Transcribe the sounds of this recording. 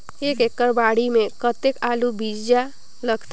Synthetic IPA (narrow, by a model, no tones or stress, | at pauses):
ekekːəɾbaɽimẽkət̪ekalubid͡ʒja | ləɡt̪